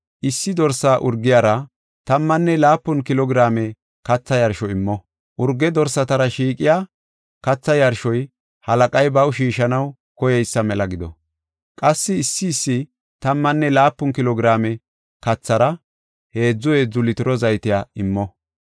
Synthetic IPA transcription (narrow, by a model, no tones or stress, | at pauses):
ʔɪsːɪd̪ɔɾsaːʔʊɾɡːɪjaːɾɐ | t̪ɐmːɐnːɛlaːpːʊnkɪlɔɡɾaːmɛ | kɐt͡sːɐjɐɾʃɔɪmːɔ | ʔʊɾɡːɛd̪ɔɾsɐt̪ɐɾɐʃiːkʼɪjaː | kɐt͡sːɐjɐɾʃɔj | hɐlɐkʼɐjbɐwʃiːʃɐnɐw | kɔjɛjsːɐmɛlɐɡɪd̪ɔ̰ | kʼɐsːɪːsːɪːsːɪ | t̪ɐmːɐnːɛlaːpːʊnkɪlɔɡɾaːmɛ | kɐt͡sːɐɾɐ | he̞ːd͡zːʊwɛd͡zʊlɪt̪ɪɾɔzɐjt̪ɪjaːɪmːɔ